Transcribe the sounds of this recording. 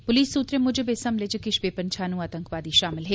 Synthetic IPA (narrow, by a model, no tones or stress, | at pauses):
pʊliːsːuːt̪ɾemʊd͡ʒʱebeːsɐmleːd͡ʒekɪʃbeːpənt͡ʃʰaːnũːaːt̪ə̃ŋkʋaːd̪iʃaːmɪlɦɛː